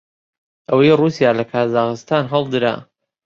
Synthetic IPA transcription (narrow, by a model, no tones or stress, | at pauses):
ʔəwɐjruːsijaːlɐkʰaːzaːxɨst̪aːnɦɐlˠd̪ɨɾa̰